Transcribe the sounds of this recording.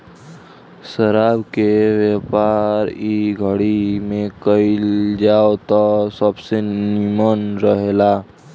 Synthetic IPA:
səɾabkeʋjəpaɾiɡʱəɽimẽkəild͡ʒaot̪ɔsəbsenimənɾəɦela

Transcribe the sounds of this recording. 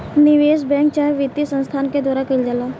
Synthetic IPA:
nɪʋeːsbɛ̃ːŋk̚t͡ʃaːʋit̪ːisə̃nst̪ʰaːnked̪waːɾakəld͡ʒalaː

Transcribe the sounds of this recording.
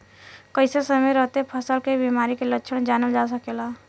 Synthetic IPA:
kəɪsesəmejɾəɦt̪epʰəsəlkebimaɾikelətːʃʰəɽ̃d͡ʒanəld͡ʒasəkela

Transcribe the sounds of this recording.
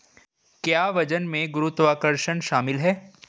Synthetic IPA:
kjaːʋɐd͡ʒənmẽɡʊɾut̪ʋaːkəɾʃənʃaːmɪlɦɛː

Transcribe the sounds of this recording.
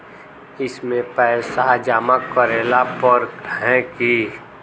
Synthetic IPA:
ɪsmẽpɛsad͡ʒaːmakːəɾeːlapɔɾkɦɛ̃ki

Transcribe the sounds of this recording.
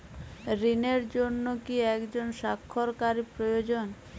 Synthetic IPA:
ɾineɾd͡ʑonːokiɛkd͡ʑonʃakʰːoɾkaɾipɾojod͡ʑon

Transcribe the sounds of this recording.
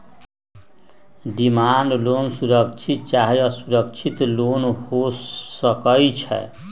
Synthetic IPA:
d̪imanlonsuɾəkt͡ʃʰit̪̚t͡ʃaɦiʌsuɾəkt͡ʃʰit̪lonhosəkəjt͡ʃʰɛ̰

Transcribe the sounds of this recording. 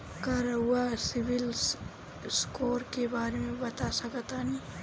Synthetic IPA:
kaːɾəwasɪʋɪl | skoːɾkebaːɾemẽbɐt̪asɐkət̪ani

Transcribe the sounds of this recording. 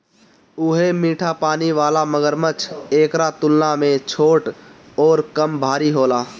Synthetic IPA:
ʊɦemiːʈʰapaːniʋaːlaməɡəɾmət͡ʃʰeːkɾat̪ʊlnamẽt͡ʃʰoːʈ | ɔːɾkəmbʱaːɾiɦoːlaː

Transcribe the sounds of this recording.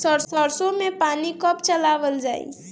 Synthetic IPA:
səɾsəɾsõmẽpaːnikəpt͡ʃəlaːʋəld͡ʒaːḭ

